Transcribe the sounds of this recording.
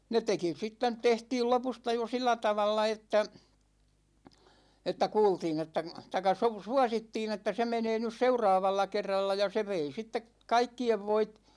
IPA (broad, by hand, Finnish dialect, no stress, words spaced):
ne teki sit tænt tehtiːl lopustɑ jo silːæ tɑʋɑlːɑ etːæ etːæ kuːltiːn etːæ tɑĭkːɑ su suɑsitːiːn etːæ se meneː nys seurɑːʋɑlːɑ kerːɑlːɑ jɑ se ʋei sitːek kɑikːieʋ ʋoit